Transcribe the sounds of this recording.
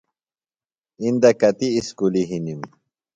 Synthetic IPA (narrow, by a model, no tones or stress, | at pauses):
ind̪ɐkɐt̪iːskuliɦinim